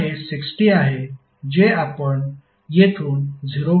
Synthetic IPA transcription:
ɦesiksʈiaɦe | d͡ʑeapəɳ | jet̪ʰuːnd͡zʱiɾo

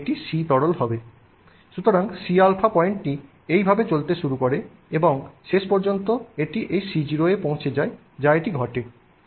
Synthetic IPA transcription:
ʈiʃit̪ɔɽolɦɔbe | ʃut̪oɾaŋʃialpʰapɔeɳʈʈi | ejbʱabet͡ɕolt̪eʃuɾukoɾe | eboŋʃeʃpɔɾd͡ʑont̪oeʈiʔejʃid͡ʑiɾoepõw̃t͡ɕʰed͡ʑae | d͡ʑaeʈiɡʱɔʈe

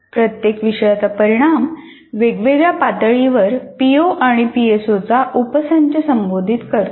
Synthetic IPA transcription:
pɾət̪jekʋiɕəjat͡sapəɾiɽ̃am | ʋeɡʋeɡjapat̪əɭiʋəɾpioʔaɽ̃ipiesot͡saʔupsaɲt͡ɕəsəmbod̪ʱit̪kəɾt̪

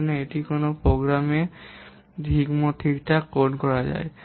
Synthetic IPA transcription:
neeʈikonopoɡɾame | dʱiɡmot̪ʰikʈakoɖkɔɹad͡ʒa̰e

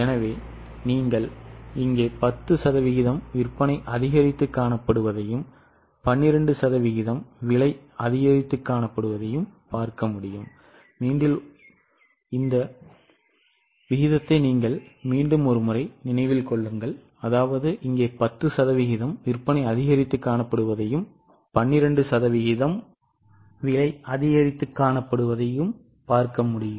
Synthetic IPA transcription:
ɛnɐʋeː | niːŋɡɐɭɪŋɡeːpɐt̪ːɯsɐðɐʋɪɣɪðɐmʋɪrpɐnɐɪʔɐðɪɣɐɾɪt̪ːɯkːaːɳɐpːɐɽɯʋɐðɐjɯm | pɐnːɪɾɐɳɖɯsɐðɐʋɪɣɪðɐmʋɪɭɐɪɐðɪɣɐɾɪt̪ːɯkːaːɳɐpːɐɽɯʋɐðɐjɯmpaːɾkɐmʊɽɪjɯmː | iːɳɖɪl | ɪnd̪ɐ | ʋɪɣɪðɐt̪ːɐɪniːŋɡɐɭmiːɳɖɯmɔɾɯmʊɾɐɪnɪnɐɪʋɪlkɔɭːɯŋɡɐɭ | ɐðaːʋɐðɯʔɪŋɡeːpɐt̪ːɯsɐðɐʋɪɣɪðɐmʋɪrpɐnɐɪɐðɪɣɐɾɪt̪ːɯkːaːɳɐpːɐɽɯʋɐðɐjɯm | pɐɳːɪɾɐɳɖɯsɐðɐʋɪɣɪðɐm | ʋɪɭɐɪɐðɪɣɐɾɪt̪ːɯkːaːnɐpːɐɽɯʋɐðɐjɯm | paːɾkɐmʊɽɪjɯm

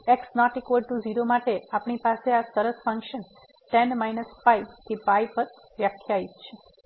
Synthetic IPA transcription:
eksnɔʈikoɖʈud͡ʒiɾomaʈeapɳipaseasəɾəsfə̃ŋkʃən | ʈenmajnəspajbt̪ʰipajpəɾ | ʋjəkʰːjait̪t͡ʃʰe

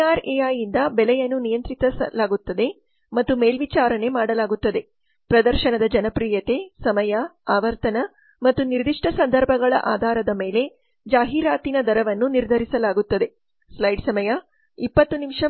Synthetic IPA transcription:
aːɾeaːjind̪ɐbɛlɛjɐnːunijɐnt̪ɾit̪ɐɐlaːɡut̪ːɐd̪e̞ | mɐt̪ːume̞ːlʋit͡ʃaːɾɐne̞maːɽɐlaːɡut̪ːɐd̪e̞ | pɾɐd̪ɐɾʃɐnɐd̪ɐd͡ʒɐnɐpɾiːjɐt̪e̞sɐmɐjɐaːʋɐɾt̪ɐnɐ | mɐt̪ːuniɾd̪iʂʈɐsɐnd̪ʱɐɾbʱɐɡɐɭɐ̰ʔaːd̪ʱaːɾɐd̪ɐme̞ːle̞ | d͡ʒaːɦiːɾaːt̪inɐd̪ʱɐɾɐʋɐnːuniɾd̪ʱɐɾisɐlaːɡut̪ːɐd̪e̞ | slɐjɖsɐmɐjɐ | ipːɐt̪ːunimʂɐ

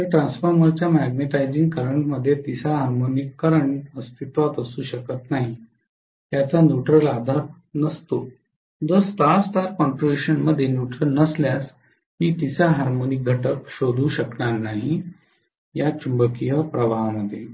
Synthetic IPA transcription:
əʈɾãnsfəɾməɾt͡ɕjamæɡneʈajd͡zĩŋɡkəɾəɳʈməd̪ʱːjet̪isaɦaɾmonikːəɾəɳəst̪ʰit̪ʋat̪əsuːɕəkət̪naɦi | t̪jat͡sanjuʈɾəlad̪ʱaɾ | nəst̪o | d͡zəst̪ast̪aɾkɔɳʈɾobiɕənməd̪ʱːjenjuʈɾəlnəsljas | hiːt̪isaɦaɾmonik̚ɡʱəʈəkɕod̪ʱuːɕəknaɾnaɦi | jat͡ɕumbəkijəpɾəʋaɦməd̪ʱːje

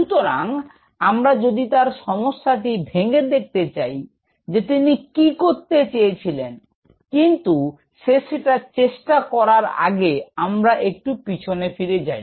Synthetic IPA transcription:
ʃut̪oɾaŋ | amɾad͡ʑod̪it̪aɾʃɔmoʃːaʈibʱeŋed̪ek̚t̪et͡ɕaj | d͡ʑet̪inikikoɾt̪et͡ɕejet͡ɕʰilen | kint̪u | ʃeʃeʈat͡ɕeʃʈakɔɾaɾa̰ɡeamɾaʔek̚ʈupit͡ɕʰonefiɾed͡ʑaj

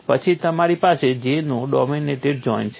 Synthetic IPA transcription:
pət͡ʃʰit̪əmaɾipased͡ʒenũɖɔmineʈeɖ̚d͡ʒɔint͡ʃʰ

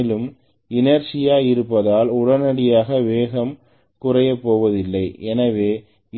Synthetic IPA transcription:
ɪlɯm | ɪnɐɾsɪjaːjɪɾɯpːɐðaːlʊɽɐnɐɽɪjaːɣɐʋeːɣɐm | kʊrɐjɐpːoːʋɐðɪlːɐɪɛnɐʋeː

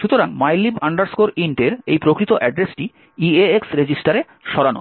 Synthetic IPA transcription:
ʃut̪oɾaŋmajlːibaɳɖaɾskoɾiɳʈeɾejpɾokɾit̪oʔɛɖɾesʈi | ieeksɾed͡ʑisʈaɾe | ʃɔɾano̰

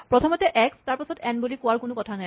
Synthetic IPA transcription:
pɹɔtʰɔmɔtɛʔɛkstaɹpasɔtɛnbulikʊwaɹkʊnʊkɔtʰanaj

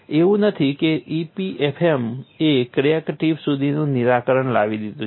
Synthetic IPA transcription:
eʋũnət̪ʰikeipiʔepʰemekɾiekʈiʋsud̪ʱinũniɾakəɾəɳla̰ʋid̪id̪ũ

